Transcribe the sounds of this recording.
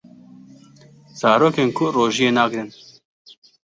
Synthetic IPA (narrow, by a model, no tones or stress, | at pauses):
z̥ɑːɾoːkeːnkʰʊroːʒijeːnaːkɾɨn